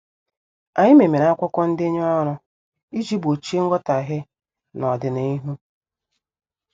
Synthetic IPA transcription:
a˨ɲɪ˦me˨me˨ɾa˦kʷʊ˦kɔ˦n̩˦dɪ˦ɲ˦ɔ˦ɾʊ˦ | i˦d͡ʒi˦bo˨t͡ʃi˦e˦ŋ̩˦ɡɔ˦ta˨ɦɪ˦ | nɔ˨dɪ˨ne˦i˦ɦu˦

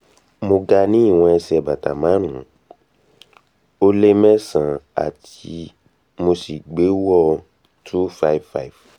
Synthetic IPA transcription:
mo˧ɡa˧nĩ˦i˦˨w̃ɔ̃˧ɛ˧sɛ˨ba˨ta˨mã˨˦ɾ̃ũ˨˦ | o˦le˦mɛ̃˦sã˨a̰˨t | i˧ | mo˧si˨ɡ͡be˨˦wɔ˦˨˧ | tʰu˦fa˦i˨vfa˦˨i˨v

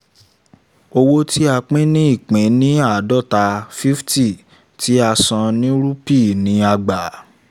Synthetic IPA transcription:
o˧wo˦ti˦a˧k͡pĩ˦nĩ˦i˦˨k͡pẽ˨˦nĩ˦a˦˨˦dɔ˦˨ta˧fi˦fti˦˨ | tʰi˨˦a˧sã˧nĩ˦ɾu˦pi˦˨nĩ˨˦a˧ɡ͡ba˨

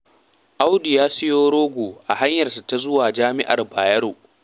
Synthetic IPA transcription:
ʔa˦wdi˨jaː˦sɪ˦joː˦ɾoː˦ɡʷoː˨ʔa˨ha˦ɲjɐ˨rsu˨ta˦zʊ˦waː˨d͡ʒaː˦mɪ˦ʔa̰˨rbaː˨jɐ˦ɾoː˨ʔ

